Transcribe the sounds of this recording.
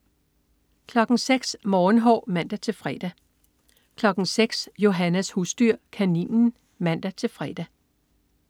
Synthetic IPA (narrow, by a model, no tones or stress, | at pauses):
kʰlɒ̽ɡ̥ŋ̩seɡ̥smɒːn̩ɦɒ̰ːmæn̰d̥æt͡sʰe̝lfʁɛd̥æ | kʰlɒ̽ɡ̥ŋ̩seɡ̥sjo̝ɦænæshusd̥yɐ̰kʰænḭːnn̩ | mæn̰d̥æt͡sʰe̝lfʁɛd̥æ